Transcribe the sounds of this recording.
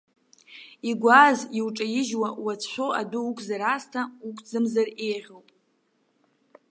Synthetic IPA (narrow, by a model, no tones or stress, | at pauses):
iɡʷaziwʈ͡ʂʼajɪʒwawat͡sʰʃʷoʔa̰duukʷʰʼzaɾastʰaukʷʼd͡zɨmzarejʁʲowpʼ